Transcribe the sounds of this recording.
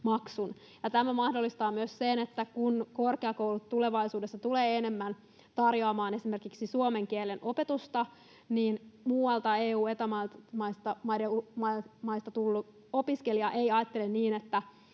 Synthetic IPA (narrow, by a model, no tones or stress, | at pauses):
mɑksun | jɑt̪æmæmɑhdolːist̪ɑːmyøssenet̪ːækunko̞rkeɑkowlut̪tːuleʋɑisuːdesːɑt̪uleːenemːæn | t̪ɑrjoɑmɑːne̞sime̞rkiksisuome̞ŋk̟ielenʔo̞pe̞t̪ust̪ɑ | niːnmuːɑlt̪ɑeːuːet̪ɑmɑmɑist̪ɑmɑideumɑmɑist̪ɑt̪ulːu | o̞piskeliɑʔejɑːt̪ːelenniːnet̪ːæ